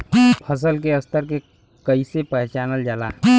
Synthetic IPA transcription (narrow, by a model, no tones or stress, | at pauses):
pʰəs̬əlk̬eəst̪ʰəɾke | kəisepɛɦt͡ʃaːnəld͡ʒala̰ː